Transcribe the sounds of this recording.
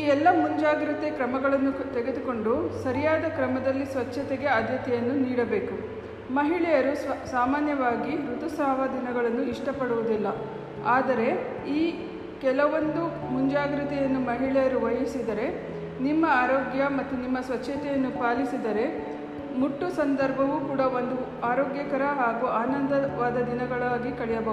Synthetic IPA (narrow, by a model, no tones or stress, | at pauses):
iːɛlːɐmuɲd͡ʒaːɡɾit̪ekɾɐmɐɡɐɭɐnːut̪eɡe̞d̪uko̞ɳɖusɐɾijaːd̪ɐkɾɐmɐd̪ɐlːisʋɐt͡ʃːɐt̪ɛɡe̞ɐd̪ʱjɐt̪ɛjɐnːuniːɽɐbe̞ːku | mɐɦiɭɛjɐɾusaːmaːnjɐʋaːɡiɾut̪usaːʋɐd̪inɐɡɐɭɐnːuiʂʈɐpɐɽuʋud̪ilːɐ | aːd̪ɐɾe̞ | iː | kɛlɐʋond̪u | muɲd͡ʒaːɡɾit̪ɛjɐnːumɐɦiɭɛjɐɾuʋɐjɐsid̪ɐɾe̞ | nimːɐaːɾoːɡjɐmɐt̪ːunimːɐsʋɐt͡ʃːɐt̪ɛjɐnːupaːlisid̪ɐɾe̞ | muʈːusɐnd̪ɐɾbʱɐʋukuːɽɐo̞nd̪u | aːɾoːɡjɐkɐɾɐɦaːɡuaːnɐnd̪ɐʋaːd̪ɐd̪inɐɡɐɭaːɡikɐɭɛjɐbɐɦ